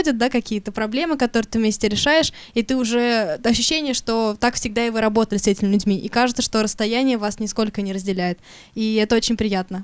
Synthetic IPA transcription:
dʲɪt̪̚d̪akɐkʲijət̪əpɾɐblʲe̞mɨkɐt̪o̞ɾɨət̪ɨvmʲesʲtʲɪɾʲɪʂajɪʂ | it̪ɨʊʐɛɐɕːʊɕːenʲɪjəʂt̪o̞t̪akfsʲɪɡ̚d̪aɪvɨɾɐbo̞t̪əlʲɪsɛtʲɪmʲɪlʲʊdʲmʲiʔikaʐɨt̪səʂt̪o̞ɾəst̪ɐjænʲɪjəvasnʲɪsko̞lʲkənʲɪɾəzʲdʲɪlʲæjɪt̪ | iɛt̪əo̞t͡ɕɪnʲpɾʲɪjat̪nə

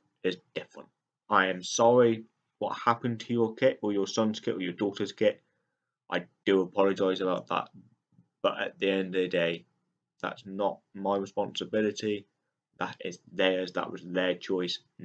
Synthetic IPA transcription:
ɪzd̥ɪfɹə̰̃nt | ʔaɪə̃msɒɹi | wɒ̰t̚hapə̃ntʰəjəkʰɪʔəjəsʌ̃nz̥kʰɪtəjədɔˑtəz̥kʰɪt | ʔa̰ɪd̥əəpʰɒləd͡ʒaɪzəbaʊʔ̪̚ðə̰ʔ̚ | b̥ʌtə̰ʔ̪̚ðiɛ̃ndəðədeɪ | ða̰tsnəʔ̚maɪɹɪspɑ̃nsəbɪlɪti | ðəɾɪzðəɹəzðə̰ʔwɒ̰zðət͡ʃʰɔɪs

